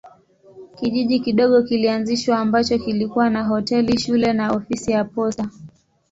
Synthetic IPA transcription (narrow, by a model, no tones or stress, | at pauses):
kiʄiʄikiɗɔɠɔkilianziʃwaːmbat͡ʃɔkilikuwanaɦɔtɛliʃulɛnaɔfisijapɔsa